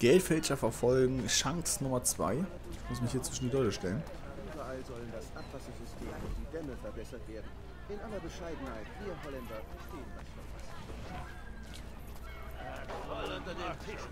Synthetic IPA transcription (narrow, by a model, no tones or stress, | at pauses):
ɡ̥ɛltfɛlt͡ʃɐfɛɐfɔlɡŋ̩ʃaŋksnʊmɐt͡sv̥a̰ɪ | ɪmʊsmɪçhiːɐt͡sv̥ɪʃn̩didɔləʃtɛlən | ʔyːbɐʔalzɔləndasʔapv̥asɐzʏstʰeːmɪd̥iːdɛməfɛɐbɛsɐtv̥eːɐdn̩ | ʔɪnʔalɐbəʃaɪdn̩haɪtfiːnhɔlɛndɐbəʃteːəndḁɐas | ʊɐdʰ